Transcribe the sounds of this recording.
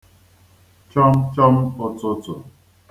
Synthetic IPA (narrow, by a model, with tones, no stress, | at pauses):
t͡ʃɔ˦m˦t͡ʃɔ˦m˦o˦t͡so˦t͡so˨